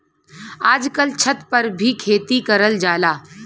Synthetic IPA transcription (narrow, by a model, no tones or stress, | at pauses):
aːd͡ʒkəlt͡ʃʰət̪pəɾbʱikʰeːt̪ikəɾəld͡ʒaːlaː